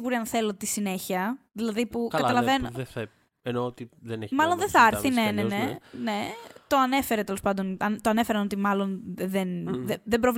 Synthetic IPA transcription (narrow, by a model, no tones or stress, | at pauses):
ɣuɾiɐnθe̞lo̞t̪isine̞çiɐðilɐðipukkɐɐlɐveno | enoot̪iðenemɐlo̞nðeθɐɐɾθinenenene̞t̪o̞ɐne̞fe̞ɾet̪e̞lospɐnd̪o̞nɐnt̪oɐne̞feɾɐno̞t̪imɐlo̞nðenðeðebɾo̞v